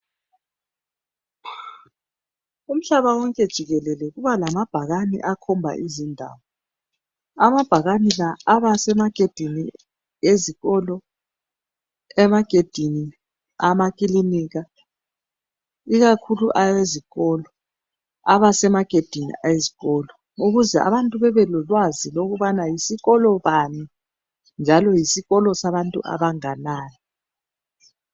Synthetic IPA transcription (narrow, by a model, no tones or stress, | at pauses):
um̩ɬaβawɔŋkʼɛd̥ʒ̥ʱiɣɛlɛlɛɣuβalamab̥ʱaɣanḭʔakʰɔmbʱa̰ʔizindʱa̰ːβɔ | amab̥ʱaɣanilaːβasɛmaɡ̥ʱed̥ʱini | eziɣɔlɔ | ɛmaɡ̥ʱed̥ʱini | amakʼiliniɣa | iɣakʰuluʔajeziɣɔːlɔ | aβasɛmaɡ̥ʱed̥ʱinḭajeziɣɔːlɔ | uɣuzɛa̰βantʼuβɛβɛlɔlwaziloɣuβanajisiɣɔlɔβami | nd͡ʒʱalɔjisiɣɔlɔsaβantʼṵʔa̰βaŋanaːjɔ